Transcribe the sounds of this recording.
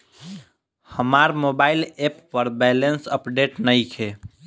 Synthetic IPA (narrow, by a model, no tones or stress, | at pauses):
həmaɾmobailepːəɾbɛlensəpɖeʈnəjkʰe